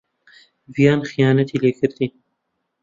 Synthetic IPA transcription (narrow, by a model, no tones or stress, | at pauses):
vjɑːnxijɑːnat̪ʰileɡəɾd̪i